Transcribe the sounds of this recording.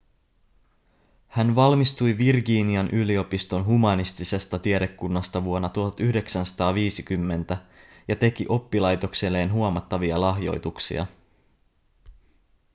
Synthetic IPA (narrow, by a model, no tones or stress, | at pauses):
hænʋɑlmist̪ujʋirɡiːniɑnʔylio̞pist̪o̞nɦumɑnist̪ise̞st̪ɑt̪ieɾe̞kːunːɑst̪ɑʋuo̞nːɑt̪uhɑt̪yhde̞ksænsɑ̥t̪ɑːʋiːsikymːe̞nt̪æ | jɑt̪e̞kiʔo̞pːilɑjt̪o̞kselːe̞ːnɦuomɑt̪ːɑʋiɑlɑɦjo̞̰jt̪uksḭɑ̰